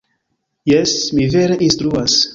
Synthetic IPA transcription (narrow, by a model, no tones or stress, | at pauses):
jɛsmiveɾeʔinstɾuas